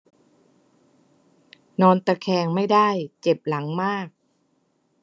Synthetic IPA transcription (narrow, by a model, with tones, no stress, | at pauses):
nɔː˧nt̪a˧˩kʰɛː˧ŋma˥˩jda˥˩jt͡ɕe˨˩p̚la˩˦ŋmaː˥˩k̚